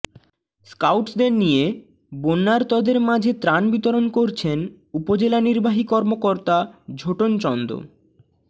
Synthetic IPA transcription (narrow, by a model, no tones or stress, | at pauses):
skawʈsd̪eɾnije | bonːaɾt̪ɔd̪eɾmad͡ʑʱet̪ɾanbit̪oɾonkoɾt͡ɕʰen | upod͡ʑelaniɾbʱaɦikɔɾmokoɾt̪ad͡ʑʱoʈont͡ɕɔnd̪o̰